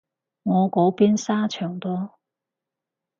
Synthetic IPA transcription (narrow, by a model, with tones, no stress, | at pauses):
ŋɔː˨˧ko˨˥wpiː˥nsaː˥t͡ʃʰœː˨˩ŋt̪ɔː˥